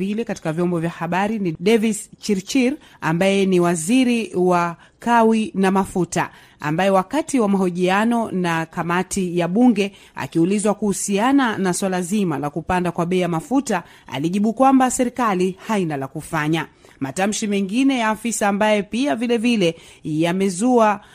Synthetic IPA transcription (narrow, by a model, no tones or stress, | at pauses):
ilɛkati̥kavjɔmbɔvjahaɓaɾiniɗɛvist͡ʃiɾt͡ʃiɾ | ambajɛniwaziɾiwa | kawinamafuta | a̰mbajɛwakatiwamaɦɔʄianɔnakamatʰijaɓuŋɡɛ | a̰kiulizwakuhusiananaswalazimalakupandakwaɓɛijamafuta | a̰liʄiɓukwambasɛɾikalihainalakufaɲa | matam̩ʃimɛŋɡinɛjaːfisaːmbajɛpiavilɛvilɛjamɛzua